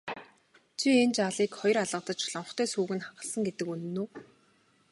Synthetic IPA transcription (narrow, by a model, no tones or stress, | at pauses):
t͡ɕʰient͡ɕaɮiːkχɔj̆raɮə̆t̪ə̆t͡ɕɮɔɴχt̪ʰœːsuːɣɘ̆nχaɢə̆ɮsə̆ŋɡet̪ɘ̆kunɘ̆nːuː